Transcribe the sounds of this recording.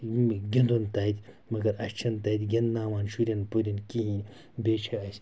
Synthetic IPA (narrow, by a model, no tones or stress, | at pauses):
ɡʲɐnd̪unt̪ɐːit̪ʰʲ | mɐɡɐɾɐʃt͡ʃʰɐnt̪ɐːit̪ʲɡʲɐnnaːʋaːnʃuɾʲɐnpoɾʲinkiɦĩːn | beːt͡ʃʰɐɐs